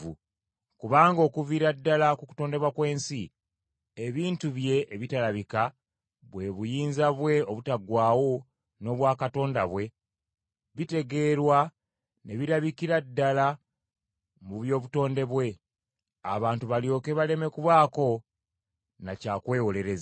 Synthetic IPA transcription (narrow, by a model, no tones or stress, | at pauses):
u | kuβaːŋɡo̞ːkuviɾadːalakuku̥to̞ːnde̞βwakwe̞ːnsi | eβiːntuβje̞ʔːβitalaβika | βwe̞βujiːnzaβwe̞oβutaɡwaːwo̞ | no̞βwaːkato̞ːnda̰βwe̞ | βite̞ɡe̞ːɾwa | ne̞βiɾaβikiɾadːala | muβjo̞ːβuto̞ːnde̞βwe̞ | a̰βaːntuβaljo̞ːke̞βale̞me̞kuβaːko̞ | nacaːkwe̞ːwole̞ɾe̞z